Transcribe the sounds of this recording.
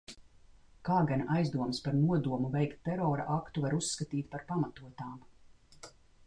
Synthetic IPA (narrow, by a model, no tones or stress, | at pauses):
kaːɡanʔajzd̪uɔmspaɾnuɔd̪uɔmuvɛjkt̪ːɛɾɔːɾa̰ʔakt̪uvaɾusːkat̪iːt̪̚ʲpaɾpamat̪uɔt̪aːm